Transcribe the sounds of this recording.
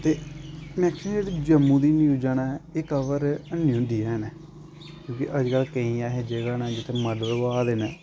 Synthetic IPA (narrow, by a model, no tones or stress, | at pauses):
t̪eːmɛ̃ːkʰeeɽd͡ʒəmːũːd̪iːniud͡ʒaːnaːɪːkəʋəɾənjõːɖiːɛːnɛː | kjõːkɪʔəd͡ʒkəlkəĩːaːɦeːd͡ʒeːɡaːnad͡ʒɪt̪ʰːeːməɖəloaːd̪eːnɛː